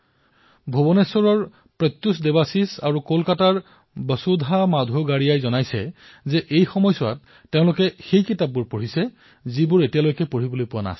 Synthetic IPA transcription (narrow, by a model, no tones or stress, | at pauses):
bʱobɔnesɔɹɔɹ | pɹɔjt̪ːusdebasisa̰ɹukolkataɹ | bəsudʱamadʱuɡaɹijajzɔnajsɛ | zɛʔejxɔmɔjsɔa̰tː | eʊ̃lʊkɛxejkitap̚ːuɹpoɹisɛ | zibʊɹetijalojkɛpoɹibolojpʊwana̰s